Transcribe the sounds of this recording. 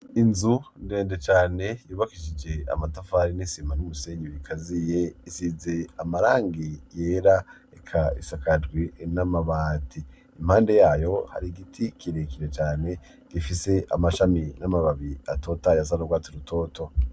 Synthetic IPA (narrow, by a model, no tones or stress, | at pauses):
inzunde̞ːndet͡ʃaːne̞juːβakiʃid͡ʒe̞a̰matafaɾinisimanumuseːɲiβikʰazije̞isize̞amaɾaːŋɡije̞ːɾa | ekʰaḭsakadɡwinamaβaːtiː | m̥haːnde̞jaːjo̞ha̰ɾiɡitʰikiɾekiɾe̞t͡ʃaːne̞ | ɡ̥ifise̞ʔa̰maʃaminamaβaβiato̞ːtajas̬anoɡwaːtiɾutʰo̞ːtʰo̞